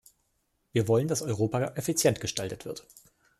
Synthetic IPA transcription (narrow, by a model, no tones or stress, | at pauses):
viːɐvɔləndasɔʏʁoːpaʔɛfit͡sjɛntɡ̥əʃtaltətv̥ɪɐt